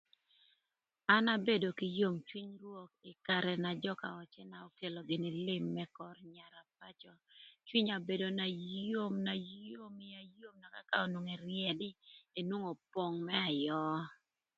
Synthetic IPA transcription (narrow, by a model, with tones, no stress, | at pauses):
a˦na˦be˦do˨kɪ˨jo˦mt͡ʃwi˦ɲrwo˦k̚ɪ˨ka˨ɾɛ˨na˨d͡ʒɔ˦ka̰˨ɔ˨t͡ʃɛ˦naɔ˦ke˨lo˨ɡɪ˨nɪ˨lɪ˦mːɛ˦kɔ˨rɲa˨ɾa˨p̚a˦t͡ʃɔ˨t͡ʃwi˦ɲa˨be˨do˨na˨jo˦mna˨o˦mɪ˦a˨jo˦mna˨ka̰˦ka˦o˨no˨ŋe˨ɾjɛ˨dɪ˦e˨nwo˦ŋo˨po˨ŋmɛ˦a˨jɔ˦